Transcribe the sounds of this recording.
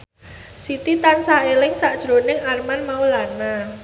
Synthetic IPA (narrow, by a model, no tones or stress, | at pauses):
sit̪it̪ansaʔelɪŋsaʔd̥ʒ̥ɾonɪŋarmanmaulana